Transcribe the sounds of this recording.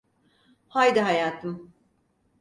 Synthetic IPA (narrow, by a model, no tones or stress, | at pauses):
hajd̪iɦajaːt̪ʰɯm